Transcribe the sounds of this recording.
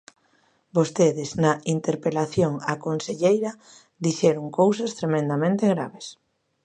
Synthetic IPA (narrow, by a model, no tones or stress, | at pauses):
bost̪eðɪznɐint̪eɾpelaθjoŋakonseʎejɾɐ | d̪iʃɛɾoŋkowsast̪ɾemẽnd̪amẽnt̪eɣɾaβes